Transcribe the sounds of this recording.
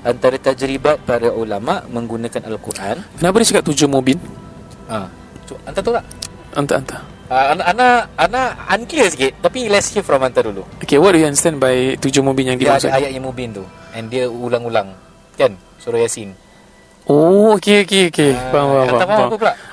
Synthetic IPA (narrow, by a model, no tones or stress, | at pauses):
ʔant̪aɾət̪ad͡ʒɾibat̪̚paɾaʔulamaʔmə̃ŋɡunakanalkṵɾʔa̰nkənapadiət͡ʃakap̚t̪ud͡ʒomubin | a | tuant̪at̪ulaʔ | ʔant̪a̰ʔant̪a | aːnaːnaanaaŋkliəsɡɪt̚t̪apilɛshifɾɔmãnt̪aduluokewɔdujuãndəst̪ɛ̃nbajt̪ud͡ʒomubinjaŋdiaasa̰ajaʔɲamubɪnt̪uɛ̃ndiəulaŋulaŋ | kan | suɾajasin | ʔookeokeokewaaaaaaakulaʔ